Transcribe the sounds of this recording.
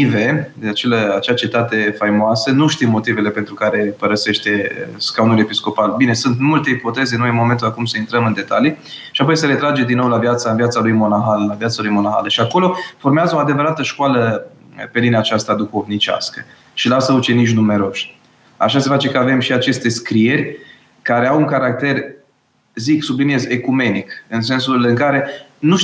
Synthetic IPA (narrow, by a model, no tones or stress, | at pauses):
ive̞d̪eat͡ʃeləat͡ʃeat͡ʃit̪at̪e̞fajmoasənuʃt̪imːo̞t̪ive̞le̞pent̪ɾukaɾe̞pəɾəse̞ʃt̪e̞skawnule̞pisko̞palbine̞sunt̪mult̪eipo̞t̪e̞zenojmo̞ment̪ulakumsəint̪ɾəmɨnd̪e̞t̪a̰li | ʃiapojsəɾe̞t̪ɾad͡ʒed̪inowlavjat̪saɨnvjat̪salujmonaxallavjat̪salujmo̞naxa̰ləʃiako̞lo̞fo̞rmeazəoad̪e̞vəɾat̪əʃkwalə | pe̞lineat͡ʃast̪ad̪uxo̞vnit͡ʃʲa̰skə̰ | ʃilasəut͡ʃe̞niʃ̬nume̞ɾo̞ʃʲ | a̰ʃase̞fat͡ʃe̞kəave̞mʃiat͡ʃe̞st̪e̞skɾie̞ɾʲ | kaɾeawuŋkaɾak̚t̪e̞r | ziksublinie̞zekume̞nikɨns̬e̞nsulɨŋkaɾe̞nuʃ